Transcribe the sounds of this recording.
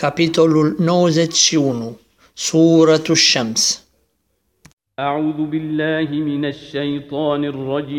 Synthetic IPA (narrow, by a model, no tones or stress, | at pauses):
kapit̪ɔlunɔzɛsiuːnu | suːɾat̪uʃːams | ʔaʕuːðʊbɪlːaːɦɪmɪnaʃːajt̪ˤɑːnɪrˤːɑd͡ʒiː